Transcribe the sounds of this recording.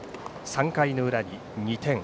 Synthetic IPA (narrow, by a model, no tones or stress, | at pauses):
sãŋkainoɯ̟ɾaɲi | ɲʲit̪ẽ̞ŋ